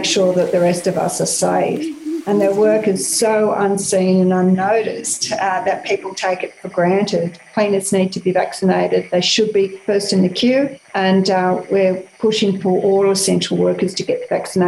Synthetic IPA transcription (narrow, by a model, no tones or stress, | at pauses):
kʃʊɹðɨt̪̚ðɨɹɛstʌvʌ̰sə˞seɪvdɨ̃nðə˞wɜ˞kɨz̥soʊʔʌ̃nsĩnɨ̃nʌ̃nːoʊɾɨstðɨt̚pʰipl̩ˠtʰeɪkɨtfə˞ɡɹæ̃ntɪd̚kʰl̥ĩɪ̃nɨsnid̚tʰɨbivæksɨneɪɾɨd̪̚ðeɪʃɨd̚bifɜ˞stɨ̃nðɨkʰj̥ʉɨ̃nwɪɹpʰʊʃɪ̃ŋfə˞ʔɔlˠʌv̥sɛ̃nt͡ʃɹ̥l̩ˠwɜ˞kə˞z̥tʰɨɡɛt̪̚ðəvæksɨne